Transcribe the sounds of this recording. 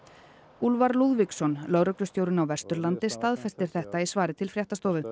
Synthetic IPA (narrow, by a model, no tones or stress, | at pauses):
ulvaɾluðvɪksɔnlœwɾœklʏst̪jowɾɪnawvɛst̪ʏɾlant̪ɪst̪aðfɛst̪ɪɾ̥θɛht̪aisvaːɾɪt̪ʰɪlfɾjaht̪ast̪ɔːvʏ